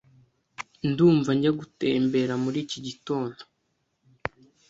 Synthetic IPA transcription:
nduːɱvaɲɟaɡuteːmbe̞ɾamuɾiːciɟito̞ːndo̞

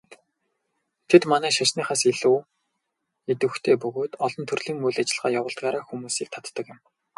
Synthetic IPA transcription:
t̪ʰet̪manæːʃaʃniːχaːseɮuː | et̪ɘ̆wxt̪ʰeːpɵɣoːt̪ɔɮɞ̆nt̪ʰɵrɮ̥iːŋmuɮat͡ɕɪ̆ɮʁaːjawə̆ɮt̪̚ɢaːɾaːxumuːsiːk̚t̪ʰḁt̪ːə̆kjɪ̆m

